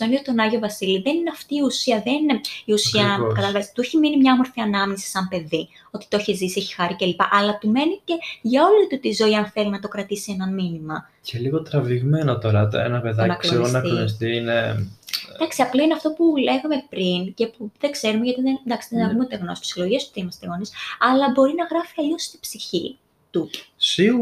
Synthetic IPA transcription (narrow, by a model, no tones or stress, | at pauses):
ɐniot̪o̞nɐʝiovɐsiliðe̞nineɐft̪iːusiɐðenineiusiɐkɐt̪ɐlɐvest̪ueçiminimɲɐomo̞ɾθiɐnɐmɲisi̥sɐmpe̞ði | ot̪i̥t̪ooçezisieçi̥xɐɾice̞lipɐʔɐlɐt̪ume̞nice̞ʝɐo̞lit̪ut̪izo̞iɐnθe̞linɐt̪o̞kɾɐt̪isienɐnminimɐ | celiɣo̞t̪ɾɐviɣme̞not̪o̞ɾɐḛnɐpeðɐnɐkslosonɐk̪ilonis̬t̪iine | d̪ɐksiɐplɐineɐft̪o̞pule̞ɣɐme̞pɾince̞puðeɡze̞ɾumeʝɐt̪iðed̪ɐksiðenɐvumeot̪eɣnosi̥tsilo̞ʝiesp̪u̥ðeimɐst̪eɣo̞nisɐlɐbo̞ɾinɐɣɾɐfiɐʎost̪i̥b̥siçḭ | t̪usi